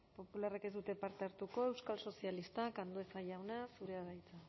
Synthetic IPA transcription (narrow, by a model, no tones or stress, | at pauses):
po̞pularaked̪ut̪e̞paɾt̪e̞aɾt̪uko̞ewskalso̞sialist̪akand̪oesaʝawnasuɾeaβajt͡sa